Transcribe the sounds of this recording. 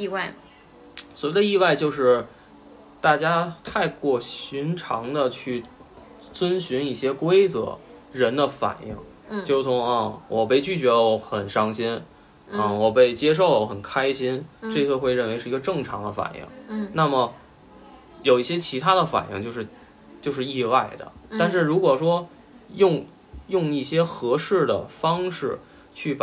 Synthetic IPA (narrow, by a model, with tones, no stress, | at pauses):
i˥˧wa˥˩ɪ | swɔ˧˥i˥˧˩d̪ə˧i˥˧wa˥˧ɪt͡ɕjo˥˧ʊʂɻ̩˥˩ | t̪a˥˩t͡ɕja˥t̪ʰa˥˧ɪkwɔ˥˩ɕy˧˥nʈ͡ʂʰɑ˧˥ŋd̪ə˧t͡ɕʰy˥˩ | t͡swə˥nɕy˧˥ni˥˩ɕjɛ˥kwe˥ɪt͡sɤ̰˧˩˦ɻə˧˥nd̪ə˧fa̰˨˩nʔḭ˥˩ŋ | t͡ɕo˥˧ʊʂt͡sʰʊ˧˥ŋɐ˥˧wɔ˨˩pe˥˧ɪt͡ɕy˥˩t͡ɕɥɛ˧˥d̪ə˧˩wɔ˧˥xə˨˩nʂɑ˥ŋɕi˥n | ɐ˥˧wɔ˨˩pe˥˩ɪt͡ɕjɛ˥ʂ̬o˥˩ʊwə˧˥xə˨˩nkʰa˥ɪɕi˥nʈ͡ʂɤ˥˧t͡sʰə˥˧xwe˧ɻə˥˩nwe˧˥ɪʂɻ̩˥˩i˧˥ɡə˧ʈ͡ʂɤ˥˩ŋʈ͡ʂʰɑ˧˥ŋd̪ə˧fa̰˨˩nʔḭ˥˩ŋna˥˩mə˩ | jo˨˩ʊi˥˩ɕjɛ˥t͡ɕʰi˧˥t̪ʰa˥d̪ə˨fa̰˨˩nḭ˥˧ŋt͡ɕjo˥˧ʊʂɻ̩˥˧ | t͡ɕjo˥˧ʊʂɻ̩˥˧i˥˧a˥˩ɪd̪ə̰˩t̪a˥˧nʂ̬ɻ̩˥˩ɻu˧˥kwɔ˨˩ʂwɔ˥ | jʊ˥˧ŋ | jʊ˥˧ŋi˥˩ɕjɛ˥xɤ˧˥ʂɻ̩˥˩d̪ə˩fɑ˥ŋʂɻ̩˥˩ | t͡ɕʰy˥˩p